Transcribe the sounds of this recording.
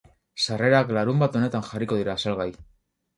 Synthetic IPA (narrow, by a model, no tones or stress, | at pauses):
sare̞ɾaklaɾumbat̪o̞ne̞t̪anxariko̞ð̞iɾaːsalɣaj